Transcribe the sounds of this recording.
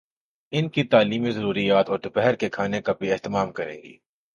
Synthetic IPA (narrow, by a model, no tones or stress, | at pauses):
ɪnkit̪aːliːmizɐɾuːɾijaːt̪ɔːɾd̪ʊpɛɦəɾkekʰaːnekabʱiɛɦt̪ɪmaːmkɐɾḛ̃ːŋɡḭː